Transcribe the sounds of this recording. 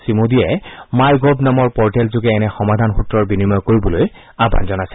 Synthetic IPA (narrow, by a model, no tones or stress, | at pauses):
simodiɛmajɡobnamɔɹpɔɹtɛlzʊɡɛːnɛxɔmad̪ʱanxutɹɔɹbinimɔjkoɹibɔloj | aba̰nzɔnasɛ̥